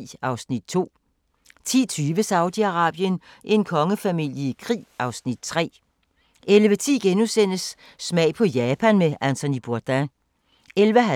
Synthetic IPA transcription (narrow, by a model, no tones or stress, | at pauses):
ɑ̈ʊsnid̥̚t͡sʰo̝̰ː | t͡sʰḭːt͡sʰyːʋəsɑ̈ʊd̥iɑʁɑ̰̈ːb̥jən | ʔe̝nkʰɒ̽ŋəfæmil̰jəikʰʁḭːʔɑ̈ʊsnid̥̚t͡sʰʁɛ̰ː | elʋət͡sʰḭːɡ̥enusen̰əsː | mɛɪ̰pʰɒ̽jɛːpʰænmeʔænt͡sʰo̝nib̥uɐd̥æ | elʋəɦæ